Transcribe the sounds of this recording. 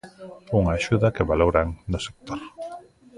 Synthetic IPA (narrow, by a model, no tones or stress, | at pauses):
uŋaːʃuðɐkeβaloɾaŋnʊse̥k̚t̪oɾ